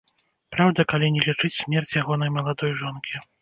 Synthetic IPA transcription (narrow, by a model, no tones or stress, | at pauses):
pɾawd̪ɐkalʲinʲɛlʲit͡ʂɨt͡sʲsʲmʲɛrt͡sʲjaɣɔnɐjmɐlˠad̪ɔjʐɔnkʲi